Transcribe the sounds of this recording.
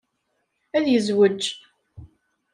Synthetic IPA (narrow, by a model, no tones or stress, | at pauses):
æðjəzwəd͡ʒː